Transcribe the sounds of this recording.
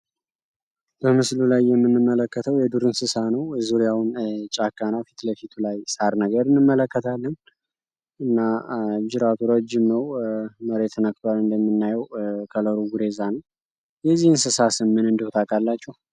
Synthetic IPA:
b̥əmɨslulajːɛmːɨnːɨmːələkːət̪ʰəwjɛd̪uɾɨnsɨsanəwzuɾjawnt͡ʃʼakːanafi̥t̪ləfit̪ʰulajsaɾnəɡəɾɨnːɨmːələkːət̪ʰalːən | ɨnːad͡ʒɪɾat̪ʰuɾod͡ʒɪmnəwməɾet̪ʰənək̚ʼt̪ʰoalɨnd̪əmːɨnːajɛwkʰələɾuɡuɾe̞zanəw | jɛzːihɨnsɨsasɨmːɨnɨnd̪əhot̪ʰakʼalːat͡ʃːuh

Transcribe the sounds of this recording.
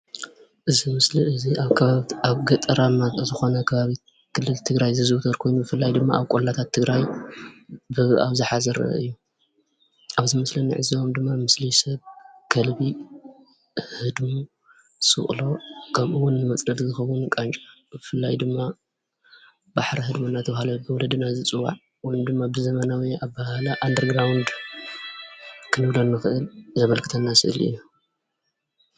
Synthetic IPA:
ʔɨzimɨsliɨziaβaaβɡɐt̪ʼɐɾamazɨxo̞nɐkʰɐβaβi | kʰɨlːɨlt̪ʰɨɡɾajzɨzɨwt̪ʰɐɾkʰo̞jnubɨfɨlːajd̪ɨmːaaβkʼolːat̪ʰat̪ʰːɨɡɾaj | bɨa̰βzɨħazɐɾɐ̰ɐ̰ʔɨ̰jːu | ʔaβzimɨslɐniʕɨziomd̪ɨmːamɨslisɐβkʰɐlbi | hɨd̪mu | sɨ̰χʼlo̞kʰɐmʔɨwʊnːɨmɐt͡sʼnɐd̪zɨxɐwunkʼant͡ʃʼḁbɨfɨlːajd̪ɨmːa | baħɾiɦɨd̪munːat̪ʰɐβhalɐbɨwɔlɐd̪ɨnazɨt͡sʼɨwa̰ʕ | wɔjumd̪ɨmːabɨzɐmɐnawiaβbahalaʔand̪ɐɾɡɾawnd̪ | kʰɨnɨβlonːɨxɨʔɨlzɐmɐlkʰɨ̥t̪ʰɐnːasɨ̰ʔɨ̰lḭjːu

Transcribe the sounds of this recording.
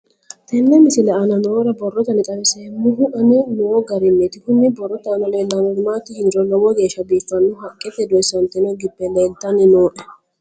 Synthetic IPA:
t̪ɛnːɛmɪsɪlɛɐnɐnɔoːɾɐbɔrːɔt̪ɐnɪt̪ʼɐβɪsɛmːʊɦʊʔɐnɛnɔoɡɐɾɪmːet̪ɪkʊnːɛbɔrːɔt̪ɐnɐleːlːɐnɔɾɪmaːt̪ɪhɪnɾɔlɔwɔɡeːʃːɐbiːfːɐnːʊɦɐkʼːɛt̪ːɛd̪ɔɪsɐnt̪ɛnɔɡɪbːɛlɛːlt̪ːɐnɪnoːʔɛ

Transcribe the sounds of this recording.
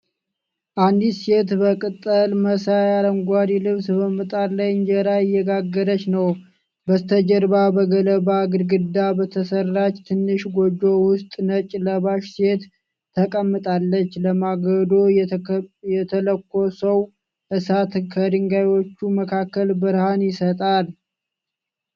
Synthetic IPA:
ʔand̪ise̞t̪bəkʼɨt̪ʼːəlməsajaləŋɡʷaɾilɨβsbəmɨt̪ʼaɾlajnd͡ʒəɾajɪjːɛɡaɡːəd̪ət͡ʃːnəw | bət̪ʰəd͡ʒəɾbabəɡələbaɡɨɾɡɨd̪abət̪ʰəsərːat͡ʃːt̪ʰɨnːɨʃɡod͡ʒo̞wʊst̪ʼnət͡ʃʼləβaʃse̞t̪ʰː | əkʼəmːɨt̪ʼalːət͡ʃːləmaɡəd̪o̞ | jɛt̪ʰələkːo̞səw | ʔɨsat̪kʰəd̪ɨŋɡajwo̞t͡ʃːuməkʰakːəlbɨɾhanjɪsət̪ʼal

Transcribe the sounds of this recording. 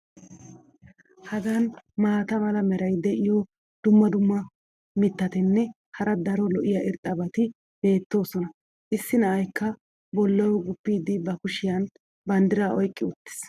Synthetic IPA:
hɐɡɐnmaːt̪ɐmɐlɐmɛɾɐjd̪ɛʔɪjɔ | d̪̥ʊmːɐd̪ʊmːɐ | mɪt̪ːɐt̪ɪnːɛ | hɐɾɐd̪ɐɾɔlɔʔɪjɐʔɪɾt̪ʼːɐbɐt̪ɪ | b̥e̞ːt̪ːo̞ːsɔnɐ | ʔɪsːɪnɐʔɐjkːɐ | bɔlːɐwɔɡʊpːiːd̪ɪbɐkʊʃɪjɐn | bɐnd̪ɪɾaːʔɔjkʼːɪʊt̪ːɪ̥s

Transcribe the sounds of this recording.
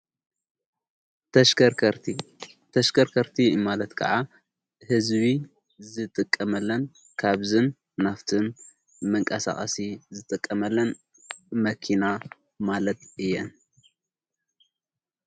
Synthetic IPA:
t̪ʰɐʃɾɾʰi | t̪ʰɐʃkʰɐɾkʰɐɾt̪ʰimalɐt̪kʰɐ̰ʕa | hɨzβi | zɨt̪ʼɨkʼːɐmɐlːɐn | kʰaβzɨnː | aft̪ʰɨn | mɨŋkʼɐsa̰χʼɐ̰sizɨt̪ʼɨkʼːɐmɐlːɐn | mɐkʰina | malɐt̪ɨjːɛn

